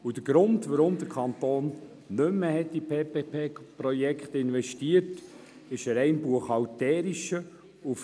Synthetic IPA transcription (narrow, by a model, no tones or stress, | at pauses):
ud̥əɡ̥ɾʊndʋaɾʊmd̪əɾkʰχɑnt̪oːnː | ʏmːəhɛt̚d̥ipʰeːpepʰeːpɾɔjɛkχt̪ɪnʋɛʃtiəɾt | ɪʃəɾɛɪnbuəχɑltɛːɾiʃə | uf